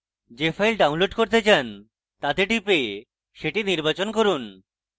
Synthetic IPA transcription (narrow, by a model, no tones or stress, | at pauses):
d͡ʑefʰajlɖawnloɖkoɾt̪et͡ɕan | t̪ad̪eʈipe | ʃeʈiniɾbat͡ɕonkoɾun